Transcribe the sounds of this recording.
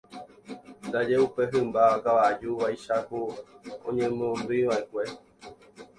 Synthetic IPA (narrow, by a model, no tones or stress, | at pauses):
nd̪ad͡ʒeupeɦɨ̃mbaakaʋad͡ʒuʋajʃahuõ̰ɲẽ̞mõnb̪ɨiʋaekʷe̞